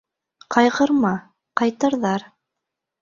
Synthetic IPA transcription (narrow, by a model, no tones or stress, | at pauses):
qʰɑjʁɤ̆ɾmɑ | qɑjt̪ɤ̆ɾðɑɾ